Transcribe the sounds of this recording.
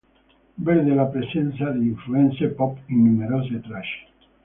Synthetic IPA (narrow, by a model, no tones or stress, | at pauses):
beɾðelapɾesenθaðeiɱfluensepɔpinumeɾozet̪ɾaʃe̥